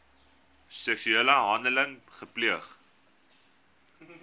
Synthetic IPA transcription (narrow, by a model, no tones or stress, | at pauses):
sɛksyeːləɦɐndələŋχəpliəχ